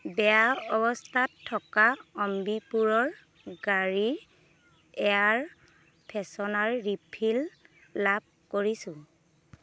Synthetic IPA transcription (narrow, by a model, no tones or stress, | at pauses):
bɛaɔbɔstʰatʰːɔkaɔmbipuɹɔɹ | ɡaɹi | ɛjaɹ | pʰɛsɔnaɹːipʰilː | ab̚koɹisʊ̃